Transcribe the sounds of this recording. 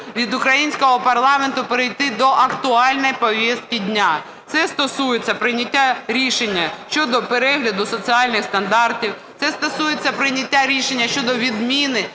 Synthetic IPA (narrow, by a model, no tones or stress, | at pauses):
ʋʲid̪ʊkɾɐjinʲsʲkɔɦɔpɐrlˠɑment̪ʊpeɾɪjt̪ɪd̪ɔʔɐkt̪ʊɑlʲnɔjpɔʋʲjist̪̚kɪdʲnʲa | t̪sɛst̪ɔsujet͡sʲːɐpɾɪnʲɐtʲːaɾʲiʃenʲːɐʃt͡ʃɔd̪ɔpeɾɛɦlʲɐd̪ʊsɔt͡sʲiɑlʲnɪxst̪ɐnd̪ɑrtʲiwt̪sɛst̪ɔsujet͡sʲːɐpɾɪnʲɐtʲːaɾʲiʃenʲːɐʃt͡ʃɔd̪ɔʋʲid̪mʲinɪ